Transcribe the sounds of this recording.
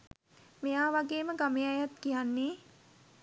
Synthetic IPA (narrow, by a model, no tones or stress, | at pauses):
mejaːʋaɡeːməɡamejajat̪kijanːeː